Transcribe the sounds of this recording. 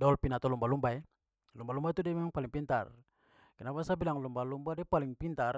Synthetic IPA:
daɔlpinat̪olumbalumbaɛ | lumbalumbait̪udamamaŋpaliŋpint̪a̰r | kinapasabilaŋlumbalumbadiapaliŋpint̪ar

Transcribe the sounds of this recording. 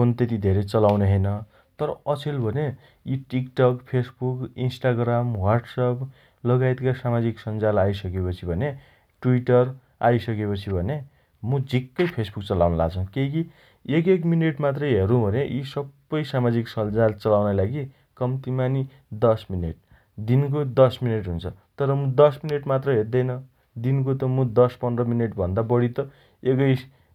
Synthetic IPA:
ont̪et̪̬id̪ʱeɾʌt͡sʌlawneɦʌjnʌ | t̪ʌɾʌʌt͡sʰelbʱʌne | jiʈikʈʌkpʰesbukinsʈaɡramwarʈsap | lʌɡajt̪kasamad͡ziksʌnd͡zalajsʌkepʌt͡sʰibʱʌne | ʈuwiʈʌr | ajsʌkepʌt͡sʰibʱʌne | mud͡zʱikːʌjpʰesbuk̚t͡sʌlawnʌla̰ɡt͡sʰʌ̃keki | ekek̬mineʈmat̪rʌjɦeɾũbʱʌneʔisʌbːʌjsamad͡ziksʌnd͡zalt͡sʌlawnajlaɡi | kʌmt̪imani | d̪ʌsmineʈ̚ | d̪ink̬od̪ʌsmineʈɦunt͡sʰʌt̪ʌɾʌmud̪ʌsmineʈmat̪rʌɦerd̪ʌjnʌ | d̪ink̬ot̪ʌmũd̪ʌspʌnrʌmineʈbʱʌnd̪abʌɽit̪ʌ | ekʌj

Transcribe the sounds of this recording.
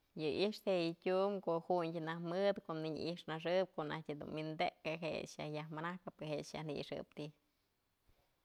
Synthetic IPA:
jɨʔiʂt̪heʔjɨtʲumkohuɲdʲɨnahmɨd̪koʔniɲ̰ʔiʂnaʂɨp̚koʔnahtʲɨd̪ṵnwind̪ekɨɦḛʂja̰hjahmanahkapɨɦeʂja̰hnḭḭʂɨ̰p̚t̪i

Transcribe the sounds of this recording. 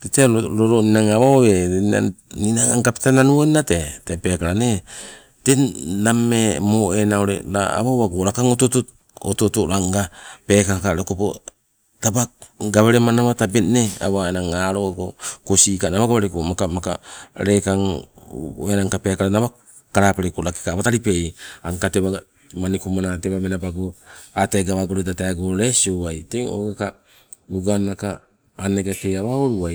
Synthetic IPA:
teteɾoɾoninaŋaβawea̰ninaŋaŋɡapi̥tananuoninatetepe̞kaɾane | tenamemoenaoɾḛɾaa̰βaβaɡoɾakaŋototot | ototoɾaŋɡape̞kakakaɾekopo | tabakɡaβeɾemanaβatabetnea̰waenaŋaɾokokosikanaβaɡaβeɾekomakamaka̰ɾekaŋ | enaŋkape̞kaɾanaβa | kaɾapeɾekolaki̥kaβataɾipe̞jaŋkateβa | manikumanateβamenabaɡoateɡaβaɡoɾodataeɡoɾesiowajteŋo̰ɡeka | uɡanakaː | neɡakeaβaoɾuwaj

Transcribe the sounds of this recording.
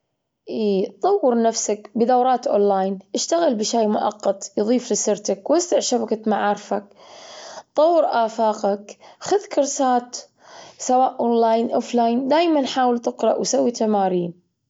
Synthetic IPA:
ʔiːt̪ˤɑwːɨɾˤnafsakbɪd̪awɾˤɑːt̪ʔo̰ːnlaːjnʔɪʃt̪aɣɪlbɪʃaːmʊʔɑ̰qːɑt̪ˤjðˤiːflɪsɪɾt̪akwɪst̪ɪʕʃabakat̪maʕaːɾˤfak̚ | t̪ˤɑwːɪɾʔaːfaːqakxʊðkʊɾsaːt̪ | sawaːʔʔonlaːjnʔoflaːjnd̪aːjmanħaːwɪlt̪ɪqɾɑ̰ʔwsawːit̪amaːɾiːn

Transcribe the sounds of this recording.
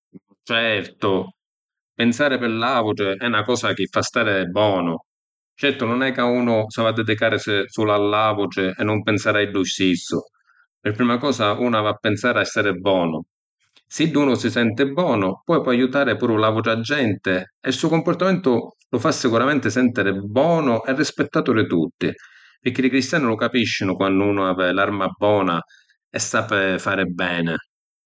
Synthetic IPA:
t͡ʃɛɾt̪ʊ | pɪnsaːɾɪpɪlːaːvuʈɪɛunakɔːsak̟ɪfːast̪aːɾɪbɔːnʊ | t͡ʃɛɾt̪ʊnʊnɛkːauːnʊsavad̪ːɛd̪ikaːɾɪssulalːaːvʊʈɪɛnːʊmpɪnsaːɾaiɖːuʃisʊ | pɪɾpːɾiːmakɔːsauːnavapːɪnsaːɾɪɛsaɾɪbːɔːnʊ | sid̪uːnʊsisɛnt̪ɪbːɔːnʊpwɔjpwɔajut̪aːɾɪpuːɾʊlavuʈɪad͡ʒːɛnt̪ɪɛlsuːkʊmpʊrt̪amɛnt̪ʊlʊfasːɪkuɾamɛnt̪ɪsɛnt̪ɪɾɪbɔːnʊʔɛrːispɛt̪ːaːt̪ʊɾɪt̪ut̪ːɪ | pɪɾk̟ːɪlɪkɾist̪jaːnɪlʊkapiʃːɪnʊkwandʊuːnʊaːvɪlaɾmabːɔːna | ɛsːaːpɪfaːɾɪbɛːnɪ

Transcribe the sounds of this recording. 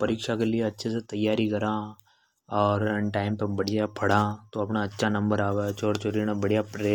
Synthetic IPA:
pɐɾiːkʃakelieɐtːʃʰeset̪ɐjːaːɾikɐɾãː | ɔːɾʈaːɪmpebɐɽijapʰɐɽãːt̪oɐpnaɐtːʃʰanɐ̃mbəɾaːʋet͡ʃoːɽt͡ʃoːɾinabɐɽijapɾeː

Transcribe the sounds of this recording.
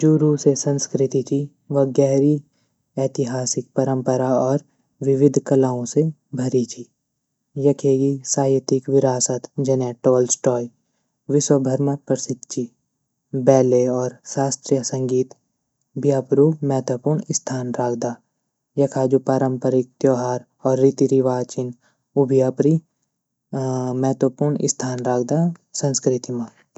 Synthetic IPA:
d͡ʒoːɾusesɐ̃nskɾɪt̪it͡ʃʰi | ʋɐɡɛːɾi | ɛːt̪ɪɦaːsɪk̚pɐɾə̃mpəɾaɔːɾ | ʋɪʋɪd̪ʱkɐlaːõse | bʱɐɾit͡ʃʰi | jɐkʰeːɡisaːjɪt̪ɪkʋɪɾaːsət̪d͡ʒɐnɛ̃ːʈɔːlsʈɔːj | ʋɪswəbʱəɾməpɾəsɪd̪t͡ʃʰi | bɛːleɔːɾsaːst̪ɾijəsɐ̃ŋɡiːt̪ | bijaːpɾumɛɦt̪wəpuːɾɳɪst̪ʰaːnɾaːkʰd̪aː | jɐkʰaːd͡ʒupaːɾə̃mpəɾɪk̚t̪joːɦaːɾ | ɔːɾːit̪iɾiʋaːt͡ʃɪn | ʊbʱijaːpɾi | mɛɦt̪wəpuɾɳɪ̰st̪ʰaːnɾaːkʰd̪asɐ̃nskɾɪt̪imãː

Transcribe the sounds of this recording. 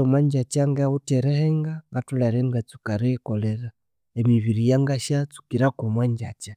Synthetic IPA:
omwaɲd͡ʒat͡ʃaŋɡauteɾeheŋɡaɡatulaɾeŋɡat͡sukaɾekoleɾa | emiβiɾijaŋɡaʃat͡su̥kiɾakomwaɲd͡ʒa̰t͡ʃa

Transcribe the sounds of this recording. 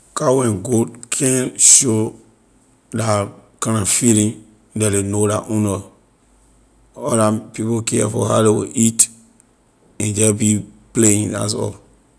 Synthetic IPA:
kawɛ̃nɡodkʰɛ̃nʃo | dakãnafilĩn | dɛdenodaʔũnɔ | ɔɾapipokɛɛfɔ̰ha̰dewḭʔit | ɛ̃nd͡ʒɛbipleĩa̰sɔ̰

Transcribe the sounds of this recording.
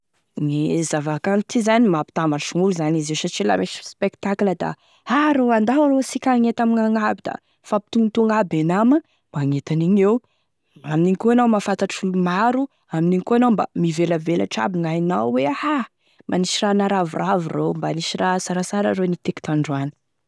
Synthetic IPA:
nizavakant̪ʰizanimapi̥t̪amaʃuŋuluzanizesaʈ͡ʂila̰meʃspekt̪akləd̪a̰ | haɾowand̪aɾosikʲaŋet̪amiŋaŋabid̪a̰ | fapi̥t̪uŋt̪uŋɡabenamə | maŋet̪aniɲew | aminiŋkuanawmafant̪aʈ͡ʂfulumaɾu | aminiŋkoanawmba̰miveləvela̰ʈ͡ʂa̰biŋajinawweaha | maniʃiranaɾavuravirombaniʃirasaɾasaɾa̰ɾonit̪eki̥t̪aɳɖ͡ʐwani̥

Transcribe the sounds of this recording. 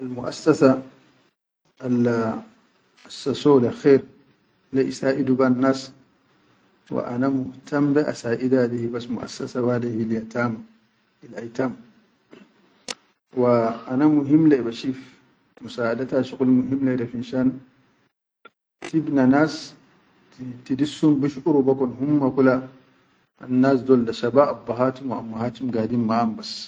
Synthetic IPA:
almʊʔa̰sːasa | al | ʔasːasoːlaxeːɾ | leʔisaːʔid̪ubanːaːs | wa̰ʔa̰namʊht̪ʰambɛʔasaːʔid̪adihibasmuʔa̰sːɐsawadihiljat̪aːm | ilʔajt̪am | waːnamuɦimlaibaʃif | tmusadataʃikʼulmuɦimladafinʃan | tibnanas | tidisːumbuʃʔuɾubakɔnɦumːakula | a̰nːas̬dɔldaʃabaʔːbːaɦatumaʔamːahaːt͡ʃimɡadimːaambas

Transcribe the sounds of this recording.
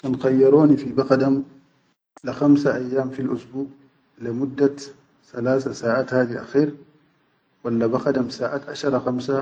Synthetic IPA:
kanxajːɑɾˤoːnifibaqad̪am | lɪxamsaʔajːaːmfilʔʊsbuːʔ | limʊd̪ːa | θalaːsasaːʔaːt̪haːd̪iʔa̰xiːɾ | walːabaxad̪amsaːʔat̪ʔaʃɑɾˤɑxamsa

